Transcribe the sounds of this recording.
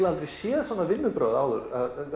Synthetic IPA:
lalt̪ɾɪsjɛːðsɔnavɪlmʏpɾœːðaːwðʏɾað

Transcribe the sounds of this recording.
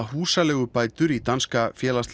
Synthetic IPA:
ɦuːsalɛːɣʏpaːjt̪ʏɾit̪anskafjɛːlast̪

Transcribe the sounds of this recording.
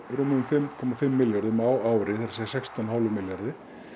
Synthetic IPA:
ɾuːmɪðʏmfɪmːkʰɔmːafɪmːɪljaɾðɪmaːwaːwɾɪθɛɾsajsɛkst̪awnhalʏmɪljaɾðɪ

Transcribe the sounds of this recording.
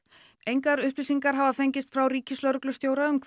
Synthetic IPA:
ejŋkaɾʏhplɪsiŋkaɾ̥ɦavafejɲcɪst̪fɾawriːcɪslœɾklʏst̪jowɾaʏmkʰ

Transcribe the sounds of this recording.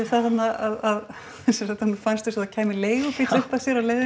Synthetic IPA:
ɪθaθat̪naaðað | sɛsɔt̪amufanst̪ɪsaðacʰɛːmɪleːjɣʏpiʏhpasjɛɾalejðɪ

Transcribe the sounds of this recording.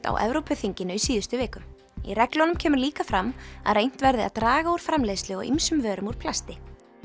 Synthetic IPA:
t̪a̰wʔɛ̰vɾowpʰʏθiɲcɪnʏisiːðʏst̪ʏveːkʏm | ḭrɛklɔnʏmcʰɛːmʏɾliːkafɾamːa̰ðrejn̥t̪vɛɾðɪa̰ðt̪ɾaːɣauɾ̥fɾamlejslɪɔɣḭmsʏmvœːɾʏmuɾ̥pʰlast̪ɪ

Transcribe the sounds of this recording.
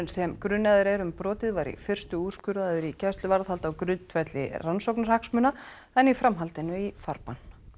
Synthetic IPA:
ʏnsɛmkɾʏnːaðʏɾɛɾʏmpɾɔːt̪ɪðvaɾḭfɪr̥st̪ʏu̥ːskʏɾðaðʏɾicɛst̪lʏvaɾðhalt̪awkɾʏnt̪ʰvɛt̪lɪ̰ransowknaɾ̥haksmʏna | ɛnifɾamɦalt̪ɪnːʏifaɾpan̥

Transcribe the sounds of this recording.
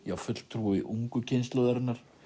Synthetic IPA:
jawfʏt̪l̥t̪ʰːɾuːɪʔuŋkʏcʰɪnst̪lɔðɛɾɪt̪nːaɾ̥

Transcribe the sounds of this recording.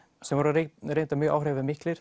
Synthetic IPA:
sɛmvɔɾaɾeɾejnt̪amjœːɣʔa̰wrɛːvɪðmɪhklɪɾ̥

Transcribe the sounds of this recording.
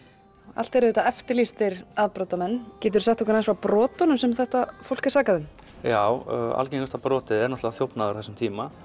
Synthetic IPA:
a̰l̥t̪ɛɾɪðɛːt̪aɛft̪ɪɾlist̪ɪɾaðpɾɔːt̪amɛnːcɛːt̪̬ʏɾ̥saht̪ɔkʏɾajnsfapɾɔːt̪ɔnʏmsɛmθɛht̪afowl̥kɪ̥ɾ̥saːkaðʏm | jaːwa̰lceŋkast̪apɾɔːt̪ɪðɛɾnɔht̪lavaθjowpnaðʏɾθɛsʏmt̪ʰiːma

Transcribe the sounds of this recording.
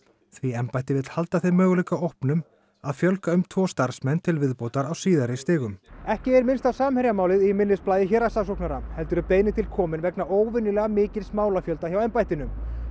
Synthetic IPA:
θviɛmpajht̪ɪvɪt̪lhalt̪aθejmœːɣʏlikaowhpnʏm | aðfjœlkaʏmt̪ʰvɔːst̪aɾ̥smɛnt̪ʰɪlvɪðpoːwt̪aɾawsiːðaɾɪst̪ɪːɣʏmɛhcɪɛɾmɪnst̪awsaːmhɛɾjamaːwlɪðimɪnːɪsplaːjðɪçɛɾasasowknaɾahɛlt̪ʏɾʏpeːjnɪt̪ʰɪlkʰɔːmɪnvɛknaoːwvɪnɪlɛɣamɪːcɪɾsmaːwlafjœlt̪açjawɛmpajht̪ɪnʏm

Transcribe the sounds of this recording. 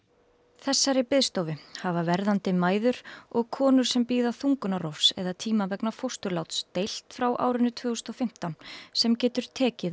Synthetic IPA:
θɛsːaɾɪpɪðst̪owvɪhavavɛɾðant̪ɪmaːjðʏɾ̥ɔɣkʰɔːnʏɾ̥sɛmpiːðaθuŋkʏnaɾɔfsɛ̰ðat̪ʰiːmavɛknafowst̪ʏɾlawt̪st̪ejl̥t̪fɾawʔa̰ːwɾʏnːʏt̪ʰvœːɣʏsnɔfɪm̥t̪awnsɛmcɛːt̪ʏɾ̥t̪ʰɛːcɪð

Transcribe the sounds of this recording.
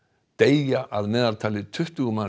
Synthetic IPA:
t̪eːjjaʔaðmɛːðaɾt̪ʰaːlɪt̪ʰʏht̪ʏɣʏma

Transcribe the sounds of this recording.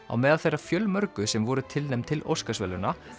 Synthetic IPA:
a̰wmɛːðalθejrːafjœlmœɾkʏsɛmvɔɾʏt̪ʰɪlnejmt̪ʰɪlo̰wskasvɛlʏna

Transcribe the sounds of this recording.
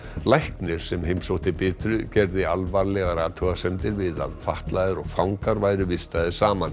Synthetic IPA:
lajhknɪɾ̥sɛmhejmsowht̪ɪpɪːt̪ɾʏcɛɾðɪalvaɾlɛɣaɾaːt̪ʰɔɣasɛmt̪ɪɾvɪða̰ðfaht̪laðɪɾɔɣfawŋkaɾvaːjɾʏvɪst̪aðɪsaːman

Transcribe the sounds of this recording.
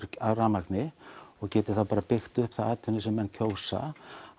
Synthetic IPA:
araːmaknɪɔɣcɛːt̪ɪ̥θawpaːɾapɪxt̪ʏhpθaaːt̪ʰʏnɪsɛmːɛnːcʰoːwsa̰

